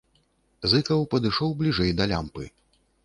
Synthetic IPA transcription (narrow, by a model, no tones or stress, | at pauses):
zɨkɐwpɐd̪ɨʂɔwblʲiʐɛjd̪ɐlʲa̰mpɨ